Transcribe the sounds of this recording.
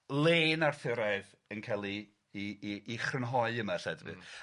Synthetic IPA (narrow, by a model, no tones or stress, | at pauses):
lˠeːnarθɪɾaɨv | ənkʰajlˠi | χrənɦɔɨəmasɛdvɨ̰